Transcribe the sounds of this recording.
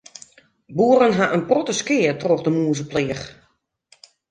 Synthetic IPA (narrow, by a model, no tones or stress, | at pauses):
buərənɦaʔənprotəskɪːətroxdəmuːzəplɪəx